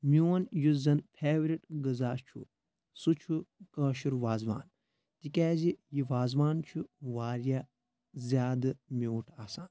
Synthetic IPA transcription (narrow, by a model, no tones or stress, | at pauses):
mʲuwɐnjuzɐnpʰeːʋɾiʈɡɨzaːt͡ʃʰṵ | sut͡ʃʰukɐːʃuɾʋaːzʋa̰ːn | t̪ikʲaːzijiʋaːzʋaːnt͡ʃʰuʋaːɾʲja | zʲjaːd̪ɨmʲoːʈʰaːsaːn